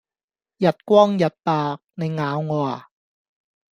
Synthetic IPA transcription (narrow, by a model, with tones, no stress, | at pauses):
jɐ˨t̚kʷɔː˥ŋjɐ˨˩t̚paː˨k̚ne˨˧jŋaː˨˥wŋɔː˨˧˩a˨˩